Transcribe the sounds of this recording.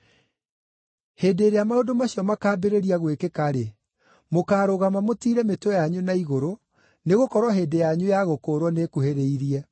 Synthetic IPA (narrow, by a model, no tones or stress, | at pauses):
heːdeːɾeamaodomaɕiɔmakaːbeɾeɾiaɣwekekaɾe | mokaːɾoɣamamotiːɾɛmetwɔjaɲunaiɣoɾo | neɣokɔɾwɔɦeːdejaɲujaɣokoːɾwɔnekuheɾeiɾiɛ